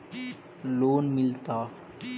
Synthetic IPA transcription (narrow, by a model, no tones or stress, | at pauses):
loːnmɪlt̪aː